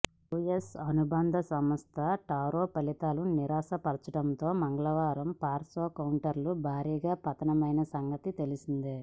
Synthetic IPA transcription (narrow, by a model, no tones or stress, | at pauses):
ujesɐnubɐnd̪ʱɐsɐmɐst̪ʰɐʈaːɾoːpɐlit̪aːluniɾaːsɐpɐɾɐt͡ʃɐʈɐnt̪o̞ːmɐŋɡɐɭɐʋaːɾɐmpaːɾsoːkɐwɳʈɐɾlubʱaːɾiːɡaːpɐt̪ɐnɐmɐjnɐsɐŋɡɐt̪it̪e̞lisind̪i